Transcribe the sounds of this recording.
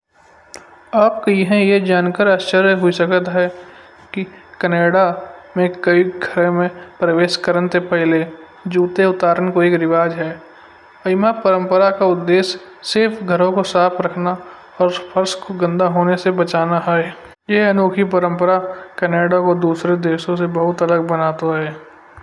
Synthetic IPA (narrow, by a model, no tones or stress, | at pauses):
aːp̚kiɦɛ̃jed͡ʒaːnkəɾaːʃt͡ʃəɾjəɦʊisəkət̪ɦɛ | kikəneːɽamẽkəiɡʱəɾẽmẽpɾəʋeːʃkəɾənt̪epɛɦle | d͡ʒuːt̪eʊt̪aːɾənkoeːkɾɪʋaːd͡ʒɦɛː | ɐɪmapəɾə̃mpəɾakaʊd̪ːeːsː | ɪɾfɡʱəɾõkosaːpʰɾəkʰna | ɔːɾpʰəɾskoɡə̃nd̪aɦoːnesebɐt͡ʃaːnaɦae | jeɐnoːkʰipəɾə̃mpəɾakneːɽakod̪uːsɾed̪eːʃõsebɐɦʊt̪ɐləɡ̚bənaːt̪aɦɛː